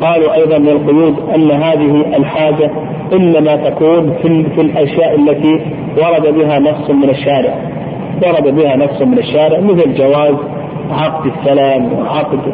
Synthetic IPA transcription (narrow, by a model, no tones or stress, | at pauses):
qɑːluʔɑjðˤɑnmɪalqʊjuːd̪ʔanːɦaːðɪɦɪʔɪlħaːd͡ʒa | ʔɪnːamat̪akuːnffilʔaʃjaːʔɪlːat̪i | wɑɾˤɑd̪abɪɦanɑfsˤʊmɪnɪʃːaːɾɪʕ | wɑɾˤɑd̪abɪhanɑfsʊmɪnaʃːaːɾɪʕmɪθld͡ʒawaːz | ʕɑqd̪ɪsːalamwɪ̰ʕɑqd̪